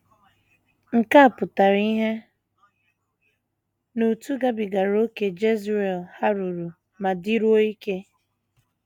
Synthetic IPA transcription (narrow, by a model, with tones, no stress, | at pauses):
ŋ̩˨ka˦a˨pʊ˨ta˨ɾi˦ɦe˦ | nu˨tu˦ɡa˦bi˨ɡa˨ɾo˦ke˨d͡ʒe˦ze˨lha˦ɾu˨ɾu˨ | ma˨di˦ɾu˦o˦i˦ke˦